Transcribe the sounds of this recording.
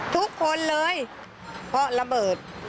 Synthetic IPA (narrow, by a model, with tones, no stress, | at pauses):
t̪ʰu˦˥kʰːo˧˥nlɤː˧˥j | pʰɔ˦˥la˧bɤː˨˩t̪̚